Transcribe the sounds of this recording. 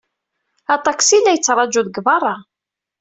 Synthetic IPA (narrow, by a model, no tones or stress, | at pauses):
ɑt̪ˤɑksilːæjət͡sːɾˤɑd͡ʒuðəɡvɑrˤːɑ